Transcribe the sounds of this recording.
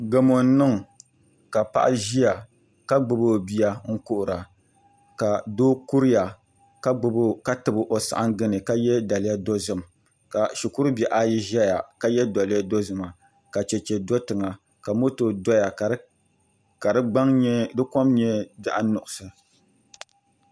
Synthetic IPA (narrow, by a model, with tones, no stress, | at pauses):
ɡɛ˨mo˨n̩˦nɨ˦ŋ˨ | ka˨pa̰˦ʔa˦ʒi˦ja˨ | ka˦ɡ͡bɨ˨boː˦bi˦ja˦ŋ̩˦kʊ˦ʔʊ˨ɾa˨ | ka˨doː˦ku˦ɾɪ˦ja˨ | ka˦ɡ͡bɨ˨bo˦ka˦tɨ˨bɨ˦ʔo˨sa̰˨ʔa˦ŋ˦ɡɨ˦nɨ˨ka˦jɛ˦da˨lɪ˦ja˦do˦zɨ˦m | ka˨ʃi˨ku˦ɾʊ˦bɛ˨ʔa˦ji˦ʒɛ˦ja˨ka˦jɛ˦dɔ˨lɪ˦ja˦do˦zɨ˨ma˨ | ka˨t͡ʃɛ˨t͡ʃɛ˨do˦tɨ˨ŋa˨ | ka˨mo˦to˨dɔ˦ja˨ | ka˨dɨ˦ɡ͡ba˦ŋɲɛ˦dɨ˦ko˦mɲɛ˦bɛ˦ʔa˦nʊ˨ʔʊ˨sɨ˨